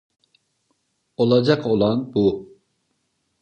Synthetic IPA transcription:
o̞lˠad͡ʒakʰo̞lˠanbu

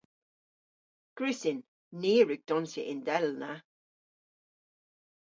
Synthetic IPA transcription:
ɡ̥ɹʉsɪnː | iːɹʉɡ̚d̪̥ɔnsəʔɪndɛlna

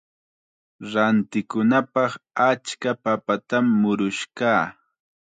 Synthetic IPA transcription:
ɾant̪ɪkʊnapɑχat͡ʃkapapat̪amːʊɾʊʃkaː

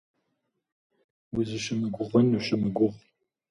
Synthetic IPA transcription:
wizɨʃɪmɨɡʷʊʁənuʃɪmɨɡʷʊʁ

